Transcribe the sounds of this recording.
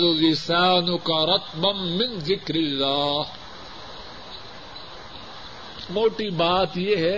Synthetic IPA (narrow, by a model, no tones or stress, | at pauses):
ʊlɪsaːnʊkɐɾˤɐt̪bɐnːɪ̃nzɪkɾɪlːaː | moːʈibaːt̪jeɦɛ